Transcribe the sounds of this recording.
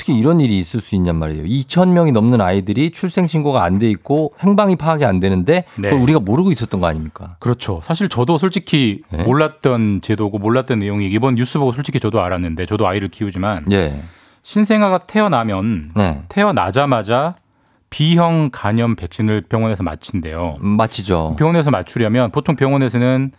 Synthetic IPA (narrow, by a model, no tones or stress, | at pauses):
tʰɯ̥kʰeiɾʌniɾiːs͈ɯɭs͈uinːanma̰ɾḛjo̰it͡ɕʰʌnmjʌŋinʌmnɯnaidɯɾit͡ɕʰuɭs͈e̞ŋɕʰinɡoɡaːnde̞ik̚k͈ohe̞ŋbaŋipʰaːɡeandwe̞nɯnde̞neʌuɾiɡamoɾɯɡois͈ʌt͈̚ʌnɡʌa̰ɲimɲik͈akɯɾʌt͡ɕʰosʰaɕʰiɭt͡ɕʌdosʰoɭt͡ɕ͈ʰikʰinemmoɭːat̚t͈ʌnt͡ɕe̞doɡomoɭːat̚t͈ʌnːe̞joŋiibʌnjus͈ʰɯbʌɡosʰoɭt͡ɕ͈i̥kʰit͡ɕʌdoaɾanːɯnde̞t͡ɕʌdoaiɾɯɭkʰiud͡ʑimanje | ɕʰinsʰe̞ŋaɡatʰe̞ʌnamjʌnnḛtʰe̞ʌna̰d͡ʑamad͡ʑa | piɦjʌŋkaɲʌmpe̞k̚ɕ͈inɯɭpjʌŋwʌne̞sʰʌma̰t͡ɕʰinde̞̰jomat͡ɕʰid͡ʑo̰pjʌŋwʌnesʰʌmat͡ɕʰuɾjamjʌnpotʰoŋpjʌŋwʌne̞sʰʌnɯn